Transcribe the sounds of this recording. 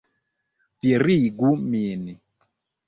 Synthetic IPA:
vjeɾiɡumini

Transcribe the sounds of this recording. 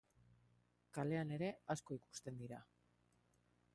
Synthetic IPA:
kale̞ane̞ɾe̞asko̞iku̥st̪e̞nd̪iɾa

